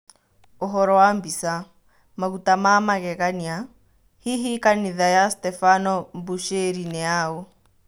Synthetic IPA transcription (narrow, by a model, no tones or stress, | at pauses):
ɔɦɔɾɔwambisa | maɣutamamaɣɛkania | hiɦikaniðajastɛfanɔmbuʃeɾinɛaːɔ